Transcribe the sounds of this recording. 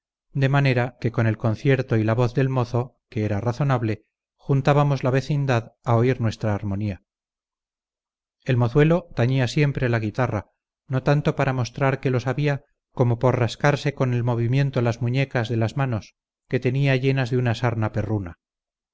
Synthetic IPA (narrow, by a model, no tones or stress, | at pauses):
d̪e̞mane̞ɾake̞ko̞ne̞lko̞n̟θje̞ɾt̪o̞ilaβo̞θðe̞lmo̞θo̞keeɾaraθo̞naβle̞ | xunt̪aβamo̞zlaβe̞θind̪aðao̞iɾnwe̞st̪ɾaːɾmo̞nia | e̞lmo̞θwe̞lo̞t̪aɲiasje̞mpɾe̞laɣ̞it̪ara | no̞t̪ant̪o̞paɾamo̞st̪ɾaɾke̞lo̞saβia | ko̞mo̞po̞ɾraskaɾse̞ko̞ne̞lmo̞β̞imje̞nt̪olazmuɲe̞kazðe̞lazmano̞s | ke̞t̪e̞niaʝe̞nazðeunasaɾnape̞runa